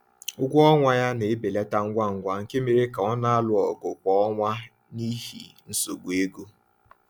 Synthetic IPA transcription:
ʊ˦ɡʷʊ˦ɔ˦ŋʷa˦ja˦ne˨˦be˨le˦ta˦ŋ̩˦ɡʷa˦˨ŋ̩˨ɡʷa˦ŋ̩˨ke˦me˨ɾe˦ka˨ɔ˦na˦a˦lʊ˨ɔ˨ɡʊ˨k͡pɔ˦ɔ˦ŋʷa˦ | ni˦ɦḭ˨ | n̩˦so˨ɡʷe˦ɡu˦

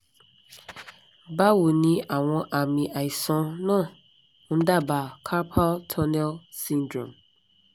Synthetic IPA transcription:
ba˦wu˨nĩ˦ʔa˨w̃ɔ̃˨ʔa˨mĩ˨ʔa˨i˨sɔ̃˦nʊ̃˦ | n̩˦da˦˨ba˨kʰa˦pʰa˦ltʰɔ˦nɛ˦lsĩ˦ndɾɔ̰̃˨m

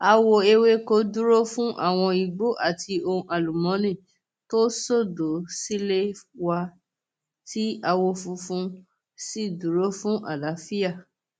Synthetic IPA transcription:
a˧wo˧e˧we˦ko˧˦du˦ɾo˦fũ˦ʔa̰˦˨w̃ɔ̃˧i˨ɡ͡bo˨˦ʔa˦˨tʰi˧õ˧ʔa˨lu˨mɔ̃˨˦nĩ˦˨ | to˦so˦˨do˨˦si˦le˦wa˧ | ti˦a˧wo˧fu˧fũ˦ | si˦˨du˨˦ɾo˦fũ˦ʔa̰˦˨la˨˦fi˦ja˦˨

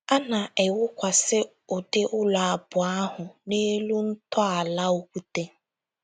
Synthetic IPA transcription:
a˦na˨ʔe˨wʊ˦kʷa˨sɪ˦ | ʊ˨dɪ˦ʔʊ˦lɔ˨a˨bʊ˨a˦ɦʊ˨ne˦lu˦n̩˦tɔ˦a˨la˦o˦kʷu˦te˦

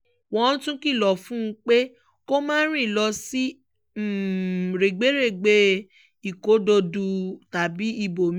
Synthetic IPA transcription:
wɔ̃˦tũ˦ki˦˨lɔ˨fũ˦˧k͡pe˦ | ko˦mãː˦ɾ̃ĩ˦˨lɔ˧si˦˨ | ɾe˨ɡ͡be˨˦ɾe˦˨ɡ͡be˧ | i˨ko˨˦do˧du˧ta˨bi˨˦i˧bo˨m˦

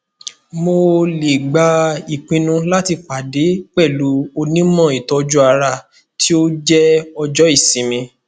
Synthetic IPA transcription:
mo˧le˨ɡ͡ba˧˦i˨k͡pĩ˧nũ˧la˦ti˧k͡pa˨de˨˦k͡pɛ˦˨lu˨˦o˧nĩ˦mɔ̃˦˨i˨tɔ˧d͡ʒu˦a˧ɾa˧ | tʰi˦o˦d͡ʒɛ˦ɔ˧d͡ʒɔ˦i˦˨sĩ˨˦mĩ˧

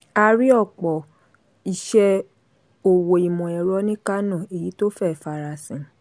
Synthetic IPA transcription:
a˧ɾi˦ɔ˦˨k͡pɔ˨ | i˨ʃɛ˧ | o˨wo˨i˨mɔ̃˨ɛ˨ɾɔ˨˦nĩ˦ka˦nɔ̃˦˨e˨ji˨˦to˦fɛ˦˨fa˧ɾa˨sĩ˨

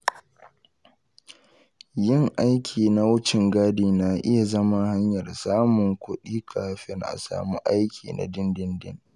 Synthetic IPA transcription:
jɪ˦˨ŋʔa˦jkʲʰiː˨na˦wʊ˦t͡ʃɪ˨ŋɡaː˦diː˨na˨ʔɪ˦ja˨zɐ˦ma˦ha˦ɲjɐ˨rsaː˦mʊ˨ŋkʷʊ˦ɗiː˦kʰa̰ː˨˦ɸɪ˦ŋʔa̰˨sa̰ː˨muː˦ʔa˦jkʲʰiː˨na̰˨dɪ˦ndɪ˦ndɪ̰˦ŋ

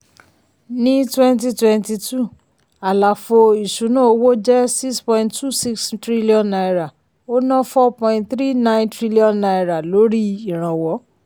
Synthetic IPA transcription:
nĩ˦twɛ̃˦nt̬i˧twɛ̃˧nti˧tu˦˨ | a˨la˨fo˧i˨ʃu˨˦nũ˦o˧wo˦d͡ʒɛ˦si˦kspɔ̃˧ĩnttu˦˨si˦kstɾi˦li˦ɔ̃˧nːa˧i˨ɾa˨ | o˦nã˦fɔ˦pɔ̃˧ĩ˧ntθɾi˦nã˦ntɾi˦li˦ɔ̃˧nːa˧iɾa˨lo˨˦ɾi˦i˨ɾ̃ã˨wɔ˨˦

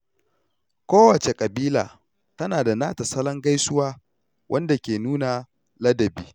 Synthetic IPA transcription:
kʷoː˦wɐ˨t͡ʃe˨kʼɐ˨biː˦la̰ː˨ | tɐ˦naː˨da˨naː˦tɐ˨sɐ˦lɐ˦ŋɡa˦jsʊ˦waː˦ | wʔɐ˦nda˨kʲeː˨nuː˦na˨ | lɐ˦dɐ˨biː˦

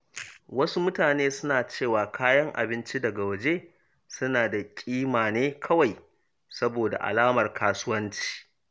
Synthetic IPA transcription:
wɐ˦su˦mʊ˦taː˨neː˦sʊ˦naː˨t͡ʃeː˦˨waː˨kʰaː˦jɐ˦ŋʔa̰˨bɪ˦nt͡ʃi˦dɐ˨ɡa˨wɐ˨d͡ʒe˦ | sʊ˦naː˨da˨kʲʼiː˦maː˨neː˦kʰɐ˦wa˨j | sɐ˦boː˨da̰˨ʔa̰˨laː˦mɐ˨rkʰaː˦sʊ˦wɐ˦nt͡ʃi̥ː˨

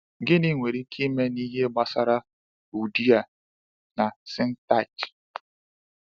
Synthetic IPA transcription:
ɡɪ˦ni˦ŋʷe˨ɾi˦kʰi˦me˦ni˦ɦe˦ɡ͡ba˨sa˦ɾa˦ | u˨di˦a˨ | na˨sɪ˦n̩˦ta˦˨t͡ʃ

